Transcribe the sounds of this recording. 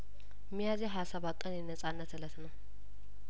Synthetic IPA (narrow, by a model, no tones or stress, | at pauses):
mijazeɦajasəβakʼːənjɛnəsʼanːət̪ɨlət̪nəw